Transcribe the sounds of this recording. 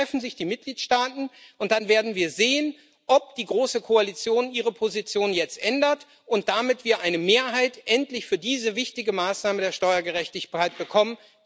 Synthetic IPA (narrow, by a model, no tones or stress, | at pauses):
ɛfn̩zɪçd̥iːmɪt̚ɡ̥liːtʃtaːtn̩ʔʊnt̚d̥anveːɐdn̩viːɐzeːən | ʔɔp̚d̥iːɡʁoːsəkʰoalit͡sjoːnʔiːʁ̞əpʰozit͡sjoːnjɛt͡stʔɛndɐt | ʔʊnt̚d̥amɪtv̥iːɐʔaɪnəmeːɐɦaɪtʔɛntlɪçfyːɐdiːzəvɪçtɪɡəmaːsnaːmədeːɐʃtɔʏɐɡəʁɛçtɪçaɪt̚b̥əkʰɔmən